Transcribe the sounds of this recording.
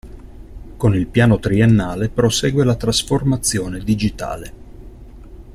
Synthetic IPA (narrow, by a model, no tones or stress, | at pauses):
konilpjaːnot̪ɾienːaːlepɾosɛːɡwelat̪ɾasformat̪sːjoːned̪id͡ʒit̪a̰ːle